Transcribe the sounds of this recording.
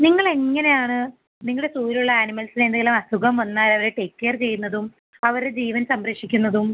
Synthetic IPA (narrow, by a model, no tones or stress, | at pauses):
niŋːɐɭe̞ŋːɐne̞jaːɳɨ | niŋːɐɭɽe̞suːɾiluɭːɐaːnimɐlsinend̪eŋɡelɐmɐsuɣɐmʋɐnːaːlɐʋɐɾeʈeːkːert͡ɕe̞jːunːɐðum | ɐʋɐɾɽed͡ʑiːʋɐnsɐmɾekʂikʲːunːɐðum